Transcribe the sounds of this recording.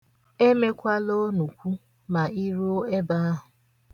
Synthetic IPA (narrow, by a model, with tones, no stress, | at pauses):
e˦me˦kʷa˦lo˦nu˨kʷu˦ | ma˨i˦ɾu˦e˦ba˦a˦ɦʊ˨